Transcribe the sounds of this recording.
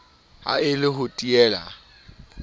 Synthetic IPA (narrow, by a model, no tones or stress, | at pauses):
a̰ɪlɪɦʊtʼiɛːla̰